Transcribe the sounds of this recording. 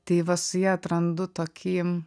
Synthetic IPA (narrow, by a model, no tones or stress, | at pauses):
t̪ʲeɪʋɐsʊjɛɐt̪ɾɐnd̪ʊt̪oːkʲʰiːɛm